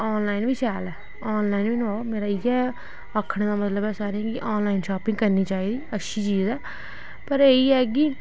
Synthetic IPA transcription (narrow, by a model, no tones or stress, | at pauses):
ɔːnlaːinʋiːt͡ʃɛːlɛː | ɔːnlaːinʋiːnoːmeːɾaːiːɛː | əkʰːəɽ̃d̪aːmət̪ləbɛːsaːɾeɛ̃ːɡiʔoːnlaːinʃaːpɪ̃ŋɡkəɾniːt͡ʃaːiːd̪iːətːʃʰiːt͡ʃiːzɛː | pəɾeːiːɛːɡiː